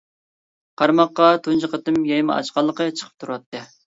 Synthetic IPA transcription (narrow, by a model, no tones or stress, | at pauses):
qʰɑɾmɑqːɑt̪ʰunt͡ʃɨqət̪ɨmjɑjmɑʔɑ̰t͡ʃqɑlˠːəqət͡ʃʰə̥qʰə̥p̚t̪ʰuɾwɑt̪ːɨ